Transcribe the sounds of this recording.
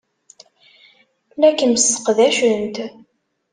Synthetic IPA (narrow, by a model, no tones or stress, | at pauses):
lækːəməsə̥qðæʃənt̪